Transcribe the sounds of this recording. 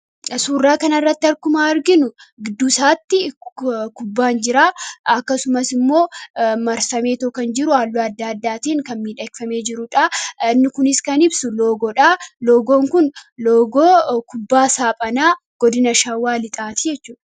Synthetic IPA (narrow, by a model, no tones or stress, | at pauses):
suːrːaːkɐnɐrːɐt̪ːɪɐɾkʊmaːɐɾɡɪnʊɡɪd̪ːuːsaːt̪ːɪkʊbːaːnd͡ʒɪɾaːɐkːɐsʊmɐsɪmːo̞ːmɐɾsɐme̞ːt̪ɔkɐnd͡ʒɪɾʊaːlːoːɐd̪ːaːd̪ːaːt̪iːŋkɐnmiːᶑɐkfɐme̞ːd͡ʒɪɾʊᶑaɪnːɪkʊnɪskɐnɪbsʊlo̞ːɡɔᶑaːloːɡo̞ːŋkʊnloːɡoːkʊbːaːsaːpʼɐnaː | ɡ̥ɔd̪ɪnɐʃaːwaːlɪt̪ʼaːt̪ɪd͡ʒɛt͡ʃːuːᶑɐ̥